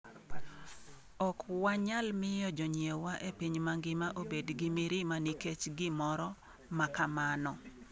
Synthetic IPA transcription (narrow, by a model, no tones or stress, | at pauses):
ɔkwaɲalmɪjɔd͡ʒɔɲjewaʔepiɲmaŋɡɪmaʔobedɡɪmiɾimaniket͡ʃɡɪmɔɾɔ | makamanɔ